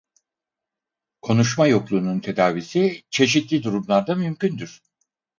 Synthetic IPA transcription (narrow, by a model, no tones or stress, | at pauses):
kʰo̞nuʃmajo̞klˠuːnunt̪ʰe̞d̪aːvisit͡ʃʰe̞ʃ̬it̪lʲid̪uɾumlˠaɾd̪amymcʰynd̪yɾ̥